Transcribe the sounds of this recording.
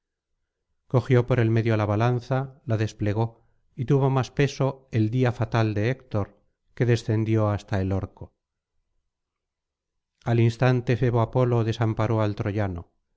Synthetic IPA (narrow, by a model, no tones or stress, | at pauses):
ko̞xjo̞po̞ɾe̞lme̞ðjo̞laβalanθalaðe̞sple̞ɣ̞o̞ | it̪uβo̞maspe̞so̞e̞ld̪iafat̪ald̪e̞ːkt̪o̞ɾ | ke̞ðe̞sθe̞nd̪jo̞ast̪ae̞loɾko̞ | alinst̪ant̪e̞feβoapo̞lo̞ðe̞sampaɾo̞alt̪ɾo̞ʝano̞̰